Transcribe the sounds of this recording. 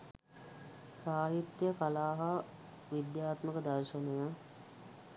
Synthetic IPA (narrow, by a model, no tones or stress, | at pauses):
saːɦit̪jəkalaːɦa | ʋid̪jaːt̪məkəd̪ɐrʃənejə